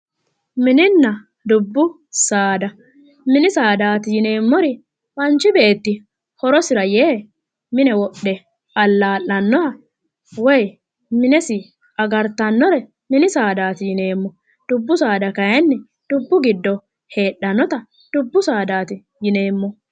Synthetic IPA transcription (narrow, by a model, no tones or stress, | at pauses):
mɪnɪnːɐ | d̪ʊbːʊ | saːd̪ɐ | mɪnɪsaːd̪aːt̪ɪjɪne̞ːmːɔɾɪ | pɐnt͡ʃːɪbe̞ːt̪ːɪ | hɔɾɔsɪɾɐjeː | mɪnɛwɔɗːɛ | ʔɐlːaːlːɐnːɔɾɐ | wɔj | mɪnɛsɪ | ɐɡɐɾt̪ːɐnːɔɾɛ | mɪnɪsaːd̪aːt̪ɪjɪne̞ːmːɔ | d̪̥ʊbːʊsaːd̪ɐkɐjɐnːɛ | d̪̥ʊbːʊɡɪd̪ːɔ | he̞ːɗːɐnːɔt̪ɐ | d̪̥ʊbːʊsaːd̪aːt̪ɪ | jɪneːmːɔ